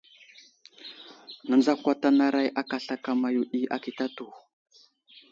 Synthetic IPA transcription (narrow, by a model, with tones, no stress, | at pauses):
na˨nd͡za˦kʷa˦ta˦na˦ɾa˦jʔa˦ka˨ɬa˦ka˨ma˨ju˨ɗi˦ʔa̰˦ki˨ta˦tu˨